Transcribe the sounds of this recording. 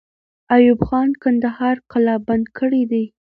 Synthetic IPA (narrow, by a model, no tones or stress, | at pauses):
ajʊbxɑnkand̪ahɑɾqalɑband̪kʰəɽid̪i